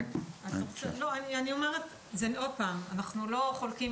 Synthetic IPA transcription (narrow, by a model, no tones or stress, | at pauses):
anoloanianio̞meʁet | zeno̞d̚paːmanaχnulo̞χolkim